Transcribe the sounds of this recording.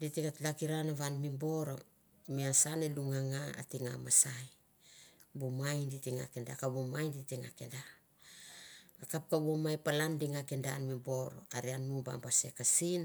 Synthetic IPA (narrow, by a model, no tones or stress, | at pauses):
ditikatlakiɾanaβanmimbo̞ɾo̞ | miasaneluŋaŋaa̰tiŋa̰masaj | bumajnditiŋa̰kenda̰kabomajnditiŋa̰kenda | kap̚kaβomajpalandiŋakendanmimbo̞ɾo̞̰aɾianmuba̰mbase̞kasin